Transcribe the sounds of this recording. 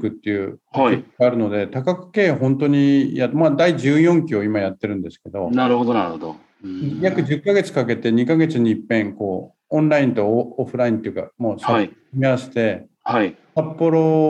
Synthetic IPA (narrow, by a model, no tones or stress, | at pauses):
kɯ̟t̪ːe̞jɯ̟ːhaeaːɾɯ̟no̞d̪e̞t̪akakɯ̟̥ke̞ːɦõ̞nt̪o̞ɲ̟ijat̪ːmad̪aiʑɨːjõ̞ŋkʲio̞imajat̪ːe̞ɾɯ̟̃nd̪e̞sɨ̥ke̞d̪o̞naɾɯ̟hod̪onaɾɯhod̪o | jakɯ̟ʑɨkːaɡe̞t͡sɨ̥kake̞t̪e̞ɲ̟ikaɡe̞t͡sɨɲ̟ipːẽ̞ŋko̞ː | õnɾaĩnt̪o̞ːɸɯ̟ɾaĩnt̪o̞jɯ̟ka̰moːsaai | miaɕi̥t̪e̞ | haisapːo̞ɾo̞